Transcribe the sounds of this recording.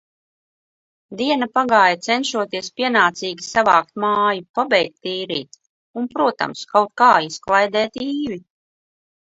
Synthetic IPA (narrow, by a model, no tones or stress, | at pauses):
d̪iɛnapaɡaːjat̪sɛnʃuɔt̪iɛspiɛnaːt̪siːɡʲisavaːk̚t̪̚maːjupabɛjk̚t̪ːiːɾḭːt̪ | unpɾuɔt̪a̰mskawt̪̚kaːisklˠajd̪ɛːt̪iːvi